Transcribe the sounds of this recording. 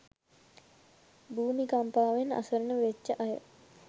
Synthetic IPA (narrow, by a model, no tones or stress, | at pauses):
buːmikampaːʋena̰səɾənəʋet͡ʃːəʔajə̰